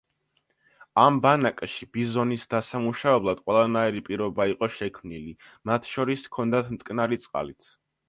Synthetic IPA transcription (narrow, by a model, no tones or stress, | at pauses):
ambanakʼaʃibizɔnisd̪asamuʃavɛblˠad̪̥qʼwɛlˠanaiɾipʼiɾɔbaiqʼɔʃɛkʰmnilimat̪ʰʃɔɾiskʰɔnd̪at̪ʰmt̪ʼkʼnaɾit̪sʼqʼa̰lit̪sʰ